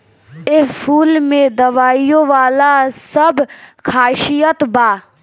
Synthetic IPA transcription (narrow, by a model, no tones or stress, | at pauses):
ɪpʰuːlmẽd̪əʋaːijõʋaːlasəbkʰaːʃijət̪baː